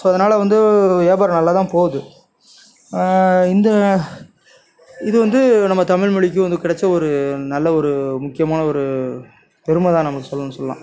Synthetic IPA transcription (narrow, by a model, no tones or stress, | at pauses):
soːɐðɐnaːlɐʋɐnd̪ɯʋeːbaːɾnɐlːaːt̪ãːpoːðɯ | ɪnd̪ɐ | ɪðɯʋɐnd̪ɯnɐmːɐt̪ɐmɪɻmʊɭɪk̬ʲːɯʋɐnd̪ɯkɪɽɐt͡ʃːɐɔɾɯnɐlːɐɔɾɯmʊkːɪjɐmaːnɐɔɾɯ | pɛɾɯmɐt̪ãːnɐmɐkːɯsɔlːɐnːɯsɔlɐlã̰ː